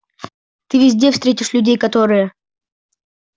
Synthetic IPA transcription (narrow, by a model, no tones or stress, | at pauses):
t̪ɨvʲɪzʲdʲe̞fst̪ɾʲetʲɪʂlʲʉdʲejkɐt̪o̞ɾɨjə